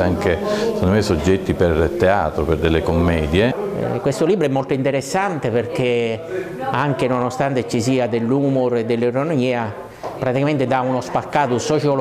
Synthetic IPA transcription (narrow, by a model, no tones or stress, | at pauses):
aŋkese̥kond̪omejsod͡ʒːɛt̪ːipert̪eaːt̪ɾoperd̪elːekomːɛːd̪jeɛ̰kwest̪oliːbɾoɛmːolt̪oint̪eɾesːant̪eperk̟e | aŋkenonost̪ant̪et͡ʃːisiːad̪elːuːmoɾed̪ːelːeɾonomiːa | pɾat̪ikament̪ed̪aunospakːaːt̪osɔt͡ʃo